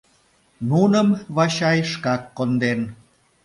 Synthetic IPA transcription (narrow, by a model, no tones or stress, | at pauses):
nunəmβɑɕɑjʃkɑkːond̪en